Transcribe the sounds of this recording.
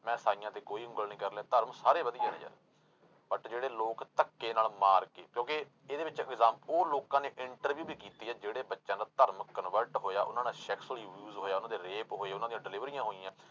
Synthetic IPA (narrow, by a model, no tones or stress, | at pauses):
mɛ̃ːsaːɪjãːt̪eːkoːiːʊ̃ŋɡəlnĩːkəɾleaːt̪əɾmsaːɾeːbəd̪ijẽːnḛ̃ːd͡ʒə̰ɾ | bəʈd͡ʒeːɽeːloːkt̪əkːeːnaːlmaːɾkḛːkjõːkɪ | eːd̪eːʋɪt͡ʃɛ̰ɡzãːmpoːloːkãːneːʔɪɳʈəɾʋjuːbiːkiːt̪iːɛːd͡ʒeːɽeːbətːʃãːnd̪aːt̪əɾməkːənʋəɾʈɦoːja̰ːʔʊ̰nãːnaːʃɛːksliːʋjuːzɦoːjaːʊnãːd̪eːɾeːpɦoːeːʊnãːd̪ijãːɖɪlɪʋɾiːjãːɦoːiːãː